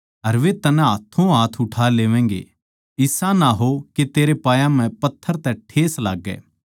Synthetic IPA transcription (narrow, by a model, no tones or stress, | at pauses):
ɐɾʋet̪ɐnɛ̃ɦaːt̪ʰːõɦaːt̪ʰʊʈʰaːleːʋɛ̃ːŋɡḛ | ɪsãnaɦoket̪eːɾepaːjãmɛ̃pɐt̪ʰːəɾt̪ɛʈʰeːsla̰ːɡːɛ̰ː